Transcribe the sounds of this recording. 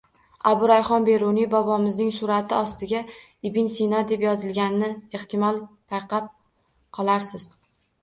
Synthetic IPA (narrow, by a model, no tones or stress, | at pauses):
abʊɾajχɒnbe̞ɾʊnibɒbɒmɪznɪŋsʊɾat̪ʰɪɒst̪ɪɡʲa | ɪbɪnsinɒd̪e̞pjɒzɪlɡʲannɪe̞ht̪ʰɪmɒlˠpʰajqʰɑp̚ | qʰɒlˠaɾsɪz̥